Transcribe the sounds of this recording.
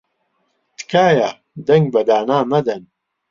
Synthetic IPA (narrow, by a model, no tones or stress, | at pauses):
t̪kʰaːja | d̪ɐŋɡ̚bɐd̪aːnaːmɐd̪ɐn